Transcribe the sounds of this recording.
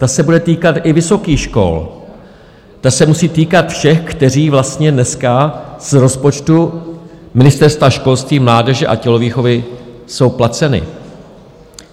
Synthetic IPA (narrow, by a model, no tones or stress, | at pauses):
t̪asɛbudɛt̪iːkat̪ʔɪvɪso̞kiːxʃko̞̰l | t̪asɛmusiːt̪iːkat̪fʃɛxkt̪ɛr̝iːvlast̪ɲɛdnɛskaz̥ɾo̞spo̞t͡ʃt̪u | mɪnɪst̪ɛɾst̪vaʃko̞lst̪viːmlaːdɛʒɛʔa̰cɛloviːxo̞vɪso̞wplat͡sɛnɪ̰